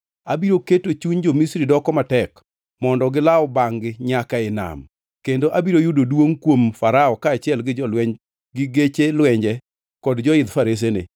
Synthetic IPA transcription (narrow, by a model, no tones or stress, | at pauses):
abiɾoketot͡ʃuɲd͡ʒomisɾidɔkɔmatɛk | mɔndɔɡɪlaɔbaŋɡɪɲakaɪna̰m | kendoʔabiɾojʊdodwoŋkwomfaɾaɔkaːt͡ʃɪɛlɡɪd͡ʒɔlwɛ | ɡɪɡet͡ʃelwɛɲd͡ʒɛ | kɔdd͡ʒɔɪd̪faɾes̬enɪ̰